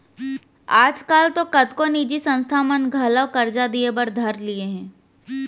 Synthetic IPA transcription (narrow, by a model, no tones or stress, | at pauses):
aːd͡ʒkaːlt̪okɐd̪koniːd͡ʒisə̃nst̪ʰamənɡʱaːlakɐɾd͡ʒad̪iebəɾd̪ʱɐɾlieɦɛ̃ː